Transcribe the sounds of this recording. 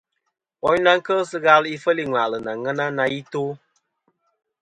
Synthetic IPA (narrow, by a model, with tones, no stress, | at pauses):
ɔ˦ɲ˦na˦ŋ̩˦kə˦sɨ˦ɣa˧li˦fə˦li˦ŋʷa˨lɨ˨na˨ŋə˦na˦na˧ji˦to˦